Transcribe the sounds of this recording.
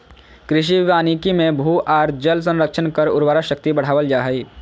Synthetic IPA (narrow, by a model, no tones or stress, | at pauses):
kɾɪʃ̬iʋɪʋaːnikimẽbʱuːʔaːɾd͡ʒəls̬ə̃nɾəkʃʰənkəɾʊ̰ɾwaːɾaʃək̚t̪ibɐɽ̤aːʋəld͡ʒaːɦɛiː